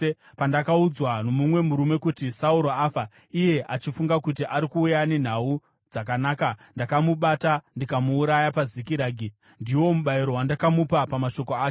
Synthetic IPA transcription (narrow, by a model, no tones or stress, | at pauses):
pandakaud͡zwano̞mumwe̞muɾume̞kutisauɾo̞aːfa | ije̞ʔat͡ʃifuŋɡakut̬iʔaɾikuːjanen̤au | d͡zakanaːkandakamuɓatandikamuːɾajapazikiɾaːɡʱi | ndiwo̞muɓaiɾo̞wandakamupapamaʃo̞koaː